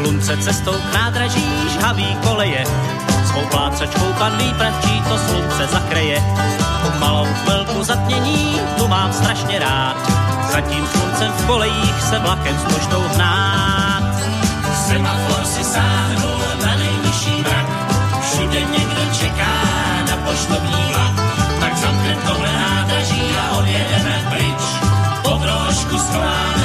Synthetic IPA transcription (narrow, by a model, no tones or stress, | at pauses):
lunt͡sɛt͡sɛst̪owknaːd̪ɾaʒiː | ʒɦaviːko̞lɛjɛ | svowplaːt͡sat͡ʃkowpadliːpɾat̪̚t͡ʃiːt̪oslunt͡sɛzakɾɪjɛpomalowvɛlkuzat̪̚ɲɛɲiː | t̪umaːmst̪ɾaʃɲɛɾaːt̪ | z̥aciːmslunt͡sɛmfkolɛjiːxsɛblakɛmzmoʒd̪owznaːt̪ | sɛmaoɾsɪsaːmɛbowlɛzanɛjlɪʃiːɾɾak | fʃudɛɲɛɡdɪt͡ʃɛkaː | napoʃt̪obɲiːat̪aksamt̪ɛmt̪owɦlɛnaːd̪ɾaʒiːaʔodjɛdɛmɛpɾɪt͡ʃ | pod̪ɾoʃkuskoaː